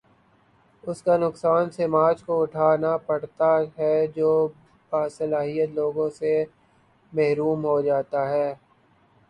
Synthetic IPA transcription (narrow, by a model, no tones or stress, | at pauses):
ʊskanʊksaːnsemaːt͡ʃkoʊʈʰaːnapɐɽt̪aɦɛd͡ʒoː | baːsɐlaːɦijət̪loːɡõse | mɛɦɾuːmɦod͡ʒaːt̪aɦɛː